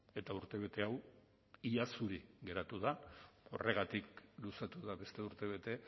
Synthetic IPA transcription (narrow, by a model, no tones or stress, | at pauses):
e̞t̪auɾt̪e̞β̞e̞t̪e̞aw | iʎasuɾiɣe̞ɾat̪uð̞ao̞̰re̞ɣ̞at̪iklusat̪uðaβe̞st̪e̞uɾt̪e̞β̞e̞t̪e̞